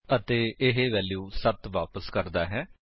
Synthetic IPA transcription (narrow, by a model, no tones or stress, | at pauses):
ət̪eːɪɦeʋɛːljuːsət̪ʋaːpəskəɾd̪aːɦɛː